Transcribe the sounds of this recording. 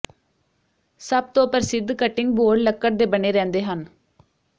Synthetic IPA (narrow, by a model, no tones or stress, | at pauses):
səb̚t̪õːpəɾsɪd̪ʱkəʈːɪŋɡ̚boːɖləkːəʈd̪eːbəɳeːɾɛ̃ːnd̪eːɦən